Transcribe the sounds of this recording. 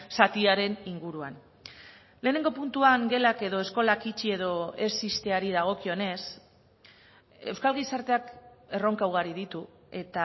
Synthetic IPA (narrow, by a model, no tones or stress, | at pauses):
sat̪iaɾe̞niŋɡuɾuan | le̞ːne̞ŋɡo̞punt̪uaŋɡe̞lake̞ðo̞e̞sko̞lakit͡ʃie̞ðo̞e̞sist̪eaɾiðaɣ̞o̞kio̞ne̞s | e̞wskalɣisaɾt̪e̞ake̞ro̞ŋkawɣ̞aɾiðit̪u | e̞t̪a